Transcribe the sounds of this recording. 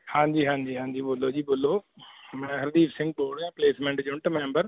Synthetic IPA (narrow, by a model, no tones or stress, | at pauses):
hãːɲd͡ʑiːɦãːɲd͡ʑiːɦãːɲd͡ʑiːboloːd͡ʑiːboloː | mɛ̃ɦɐɾd̪iːfsɪ̃ŋɡ̚boːɾɖjãːpleːsmẽːɳʈd͡ʑʊɳʈmẽːmbəɾ